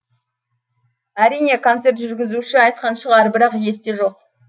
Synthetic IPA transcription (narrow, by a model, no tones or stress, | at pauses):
æɾijne̞kʰo̞nt̪se̞ɾt̪ʒʏɾɡʲɪzuʃɪɑjt̪̚qɑnʃəʁɑɾbɪɾɑqje̞st̪eʒo̞q